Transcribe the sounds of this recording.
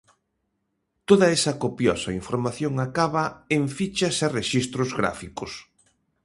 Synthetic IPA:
t̪oðɐesɐkopjɔsɐiɱfoɾmaθjoŋakaβɐeɱfit͡ʃɐsereʃist̪ɾʊzɣɾa̰fikʊs

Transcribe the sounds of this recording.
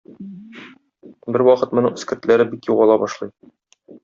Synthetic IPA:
bɘɾwɒqɤt̪mŏnɤɴɘ̆skɘ̆ɾt̪læɾɘbikjuʁɑlˠɑbɒʃlˠɤj

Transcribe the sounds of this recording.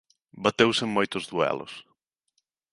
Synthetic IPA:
bat̪ewseŋmojt̪ʊzðuɛ̰lʊ̰s

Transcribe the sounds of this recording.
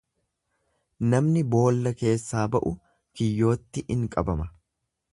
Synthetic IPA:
nɐmnɪbo̞ːlːɐke̞ːsːaːbɐʔʊ | kɪjːo̞ːt̪ːɪʔɪŋkʼɐbɐmɐ

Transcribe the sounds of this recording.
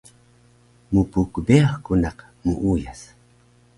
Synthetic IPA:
mupukbeaχkunaq | mṵʔujas

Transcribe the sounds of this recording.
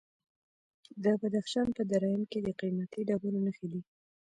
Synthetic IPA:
d̪əbad̪axʃɑnpəd̪aɾɑjɪmked̪əqimat̪iɖabulanaxili

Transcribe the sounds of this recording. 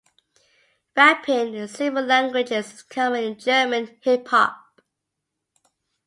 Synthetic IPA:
ɹæpʰɪ̃nə̃sɪvəllæ̃ŋɡwɪd͡ʒɪz̥ɪ̥kʰʌmɪ̃nd͡ʒɜːmə̃nhɪpʰhɑ̰p̚

